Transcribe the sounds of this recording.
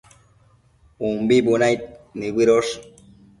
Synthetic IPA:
umbibunajt̪̚niɡiɾoʂ

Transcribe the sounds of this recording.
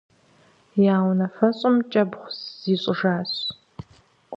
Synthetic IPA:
jaːwnɐfɐɕʼɪmt͡ʃʼɐbχʷsz̥iːɕʼɪʒaːɕ

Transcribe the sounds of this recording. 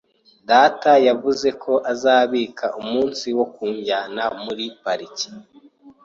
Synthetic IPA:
daːtajavuze̞kʰo̞ʔazaːβiːkʰaʔumuːnsiwo̞kuːɲɟanamuɾipaɾici̥

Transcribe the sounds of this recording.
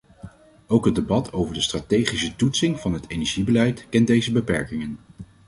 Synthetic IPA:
owkɦət̚debɑtʰowvəɹdəstraːtejχisətutsɪŋv̥ɑnɦətejnɛɹʒibəlɛjtkɛndejzəbəpɛ̰ɹkɪŋən

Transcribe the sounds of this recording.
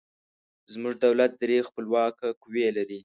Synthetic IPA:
zmʊʐd̪awlat̪̚d̪ɾexpəlwɑkakwelaɾi

